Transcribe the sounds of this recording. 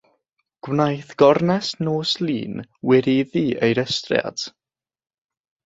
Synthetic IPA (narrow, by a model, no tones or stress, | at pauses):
ɡ̥wnajθɡ̥ɔrnɛsnoːslˠiːnwɪɾiðiʔejɾəstrj̰a̰d̥